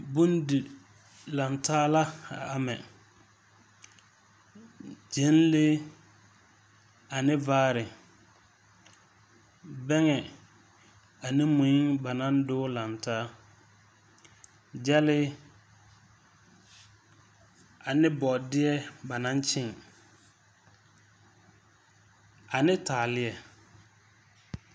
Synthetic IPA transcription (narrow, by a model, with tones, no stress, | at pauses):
bu˦ndi˨ | la˨ntaː˦la˦a̰˨a˨mɛ˨ | d͡ʒe˨˦n˦le˦ | a˨nɪ˦vaː˦ɾɪ˨ | bɛ˦ŋɛ˨ | a˨nɪ˦mʊ˨ɪ˦ŋba˨nã˦n˦dʊː˦la˨n˨taː˦ | d͡ʒa˦lɪ˦ | a˨nɪ˦bɔ˨dɪ˦ɛ˦ba˨na˦n˦t͡ʃɪ˦˨ŋ | a˨nɪ˦taː˨lɪ˦ɛ˨